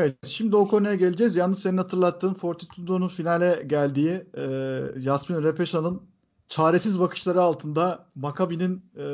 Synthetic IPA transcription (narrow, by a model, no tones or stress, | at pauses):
vɛt̪ʃimd̪io̞kʰo̞nujaɟe̞lʲed͡ʒɛzjalnːɯʃseninhat̪ʰɯɾlˠat̪ːɯːmfo̞ɾt̪ʰit̪ʰud̪o̞nunfinalʲɛɟælʲd̪iːiː | jasminɾepʰe̞ʃanɯn | t͡ʃʰaːɾe̞sizbakʰɯ̥ʃlˠaɾɯalˠt̪ʰɯnd̪amakʰabinin